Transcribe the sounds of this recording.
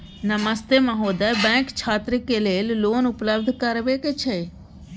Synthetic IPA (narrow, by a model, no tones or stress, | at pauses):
nəməst̪emãɦoːd̪abɛ̃ːkt͡ʃʰaːt̪ɾəkeleːlloːnʊpləb̚d̪ʱkəɾʋeket͡ʃʰe